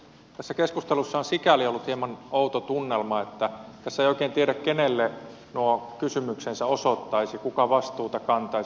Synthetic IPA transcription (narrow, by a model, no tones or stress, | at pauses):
t̪æsːækeskust̪elusːɑɑnsikæliolːut̪hiemɑnout̪ot̪unːelmɑet̪ːæt̪æsːæejoˑikeːnt̪ieɾækkenelːe | nuokysymyksensæosot̪ːɑisikukɑʋɑst̪uːt̪ɑkɑnt̪ɑi